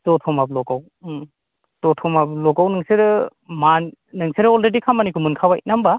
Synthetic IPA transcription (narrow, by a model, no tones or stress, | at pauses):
tɔtʰɔmablɔɡaw | tɔtʰɔmablɔɡawnɯŋseɾɯmannɯŋseɾɯɔlɾedikʰamːanikʰumɯnkʰawaḭt̚namba